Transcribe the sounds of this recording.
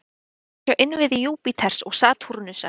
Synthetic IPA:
œʔɪnvɪðɪjuːpɪt̪ʰɛr̥sɔɣsaːt̪ʰuɾʏnʏsa̰

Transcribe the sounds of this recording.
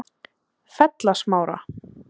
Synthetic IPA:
fɛt̪lasmaːwɾa̰

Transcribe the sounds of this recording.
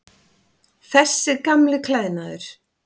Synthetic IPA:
θɛsːɪkamlɪkʰlaːðnaðʏɾ̥

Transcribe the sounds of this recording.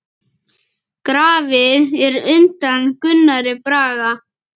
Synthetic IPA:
kɾaːvɪðɛɾʏnt̪ankʏnːaɾɪpɾaːɣa

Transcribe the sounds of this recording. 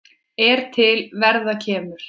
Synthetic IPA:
ɛɾ̥t̪ʰɪlvɛɾðacʰɛːmʏɾ̥

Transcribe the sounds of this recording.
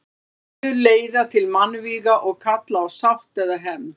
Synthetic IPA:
ʏɾleːjðat̪ʰɪlmanːviːɣaʔɔɣkʰat̪laːwsawht̪ɛðaɦɛmː

